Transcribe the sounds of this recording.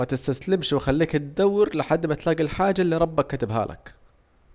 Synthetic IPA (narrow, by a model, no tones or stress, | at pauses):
at̪ɪst̪aslɪmʃwɪxalːiːkɪt̪d̪awːɾlɪħad̪ːmat̪laːɡilħaːd͡ʒːalːiːɾˤɑbːakːat̪ɪbɦa̰ːlʔɪ̰k